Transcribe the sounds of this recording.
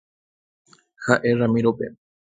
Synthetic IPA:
xaʔeramiɾopḛ

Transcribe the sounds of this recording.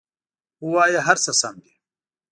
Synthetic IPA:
uwaːjɐɦɐɾsɐsɐmd̪i

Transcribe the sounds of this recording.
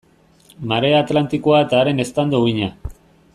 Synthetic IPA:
maɾe̞aːt̪lant̪ikoae̞t̪aːɾe̞ne̞st̪and̪oɣiɲa

